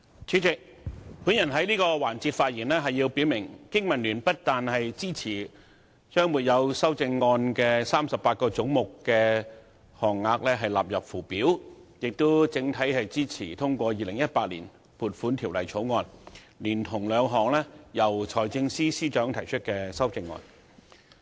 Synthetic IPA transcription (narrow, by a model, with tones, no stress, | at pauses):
t͡ʃʰyː˨˥t͡sɪ˨k̚ | pu˨˥njɐ˨˩nɦɐ˨˥jliː˥kɔː˧waː˨˩nt͡siː˧t̚faː˧t̚jiː˨˩nlɛː˥ɦɐ˨jːi˧wpiː˨˥wmɪ˨˩ŋkɪ˥ŋmɐ˨˩nlyː˨˩npɐ˥t̚t̪aː˨nhɐ˨jt͡siː˥t͡sʰiː˨˩ | t͡ʃœː˥ŋmuː˨˩t̚jɐ˨˧wsɐ˥wt͡sɪ˧ŋːɔː˧nkɛː˧saː˥msɐ˨pːaː˧t̚kɔː˧t͡sʊ˨˥ŋmʊ˨kːɛː˧ | hɔː˨˩ŋːaː˧k̚lɛː˥ɦɐ˨jla̰ː˨p̚jɐ˨˩p̚fuː˨˩piː˨˥wjɪ˨k̚t̪o˥wt͡sɪ˨˥ŋt̪ʰɐ˨˥jhɐ˨jt͡siː˥t͡sʰiː˨˩t̪ʰʊ˥ŋkʷɔː˧jiː˨˩lɪ˨˩ŋjɐ˥t̚paː˧t̚liː˨˩n | puː˨t̚fuː˨˥nt̪ʰiː˨˩wlɐ̰˨˩jt͡sʰo˨˥wŋɔː˧n | liː˨˩nt̪ʰʊ˨˩ŋlœː˨˧ŋɦɔː˨˩ŋlɛː˥jɐ˨˩wt͡ʃʰɔː˨˩jt͡sɪ˧ŋsiː˥siː˥t͡ʃœː˨˥ŋt̪ʰɐ˨˩jt͡ʃʰɵ˥t̚kɛː˧sɐ˥wt͡sɪ˧ŋːɔ̰ː˧n